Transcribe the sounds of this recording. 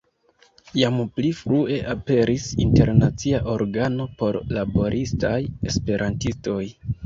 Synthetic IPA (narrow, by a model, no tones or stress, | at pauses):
jamplifɾue̞ʔape̞ɾʔisḭnte̞ɾnat͡siaʔo̞ɾɡano̞po̞ɾlabo̞ɾʔistaje̞spe̞ɾʔantisto̞j